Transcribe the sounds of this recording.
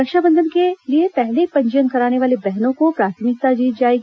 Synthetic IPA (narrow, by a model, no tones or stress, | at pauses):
ɐkʃabə̃nd̪ʱənkeliepɛɦlepɐ̃ɲd͡ʒənkɐɾaːneʋaːlebɛɦnõkopɾaːt̪ʰəmɪk̚t̪ad͡ʒiːt̪̚d͡ʒaːeɡi